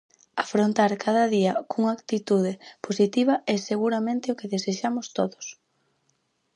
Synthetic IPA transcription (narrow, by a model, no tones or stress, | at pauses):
afɾont̪aɾkʰaðɐðiɐkuŋaakt̪it̪uð̞eposit̪iβɐʔeseɣuɾamẽnt̪ɪʊkeðeseʃamʊst̪oðʊs